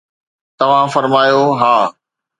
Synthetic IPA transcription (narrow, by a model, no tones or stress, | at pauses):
t̪ɐʋ̤ãfɐɾmaːjoɦaː